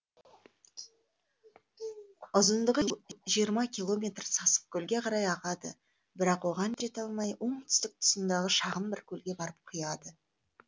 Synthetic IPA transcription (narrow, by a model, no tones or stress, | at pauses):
ʊzənd̪əʁʒijəɾmɑkʲʰilˠo̞mʲe̞t̪rsɑsə̥p̚kʲʰɵlɡʲe̞qʰɑɾɑjɑʁɑd̪ə̰ | bɪɾɑqwo̞ʁɑnt̪ɪɾe̞t̪ɑlˠmɑjwʔo̞ɴt̪ʰʏ̥st̪ɪk̚t̪ʰʊ̥sənd̪ɑʁəʃɑʁəmbɪɾkʲʰɵlɡʲe̞bɑɾəp̚qʰʊjɑd̪ə